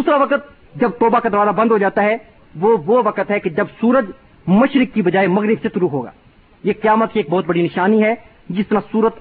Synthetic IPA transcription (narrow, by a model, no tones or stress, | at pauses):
d̪uːsɾaʋɐqət̪̚ | d͡ʒɐb̚t̪ɔːbakad̪ɐɾʋaːzabɐ̃nd̪ʱɦod͡ʒaːt̪aɦɛ | ʋoʋoʋɐqət̪ɦɛked͡ʒɐbsuːɾəd͡ʒ | mɐʃɾɪkːibɐd͡ʒaːemɐɣɾɪbset̪ʊɾuːɦoːɡa̰ː | jeqɐjaːmət̪̚kieːk̚bɔːt̪̚bɐɽinɪʃaːniɦɛ | d͡ʒɪst̪ɐɾãsuːɾət̪